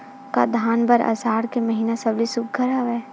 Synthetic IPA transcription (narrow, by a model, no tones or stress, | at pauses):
ka̰d̪ʱaːnbɐɾɐ̰saːɽkemɐɦiːnasɐblisʊk̚ɡʱəɾaʋɛː